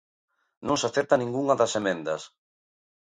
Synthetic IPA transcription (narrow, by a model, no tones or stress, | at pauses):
nõŋsaθeɾt̪anĩŋɡuŋɐðɐsemẽnd̪ɐ̰s